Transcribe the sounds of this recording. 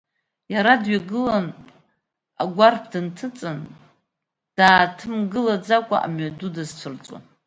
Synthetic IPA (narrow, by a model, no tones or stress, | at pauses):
jaɾadɥaɡɨlan | aɡʷarpʰdɨntʰɨt͡sʼɨn | d̥aːtʰɨmɡɨlad͡zakʷʼa̰ʔa̰mʕdudazt͡sʷʰɨrt͡sʼa̰n